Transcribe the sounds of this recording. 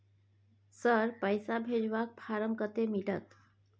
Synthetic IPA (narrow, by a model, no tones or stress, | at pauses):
səɾpəjsabʱed͡ʒʋak̚pʰaɾəmkət̪emiʈət̪